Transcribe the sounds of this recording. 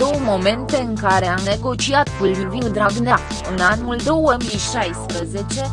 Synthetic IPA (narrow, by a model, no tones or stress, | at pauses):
d̪o̞wəmo̞me̞nt̪e̞ɨŋkaɾe̞amne̞ɡo̞t͡ʃiat̪pilviviŋd̪ɾaɡne | ɨnanuld̪o̞wəmijʃajspɾəze̞t͡ʃe̞